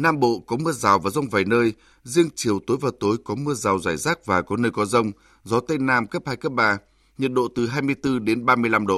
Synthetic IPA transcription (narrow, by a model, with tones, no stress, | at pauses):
naː˧mɓo̰˧˨kɔ˨˦mɨ˧əzaː˨˩wvaː˨˩zə˧wŋ͡mvaː˨˩jnəː˧j | zi˧əŋt͡ɕi˨˩əwt̪o˨˦jvaː˨˩t̪o˨˦jkɔ˨˦mɨ˧əzaː˨˩wzaː˧˩jzaː˦˥k̚vaː˨˩kɔ˨˦nəː˧jkɔ˨˦zə˧wŋ͡m | zɔ˨˦t̪ə˧jnaː˧mkə˦˥p̚haː˧jkə˦˥p̚ɓaː˧˩ | ɲi˨˩t̚ɗo̰˧˨t̪ɨ˨˩ɦaː˧jmɨ˧əjt̪ɨ˧ɗe˨˦nɓaː˧mɨ˧əjla˧mɗo̰˧˨